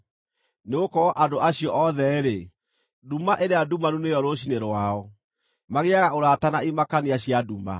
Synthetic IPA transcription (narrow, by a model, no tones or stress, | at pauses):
neokɔʔadoʔaɕijɔʔɔðɛɾe | dumaʔeɾeadumanunejɔɾoɕ̬ineɾwaɔ | maɣeaɣaoɾaːtanaimakaniaɕijaduma̰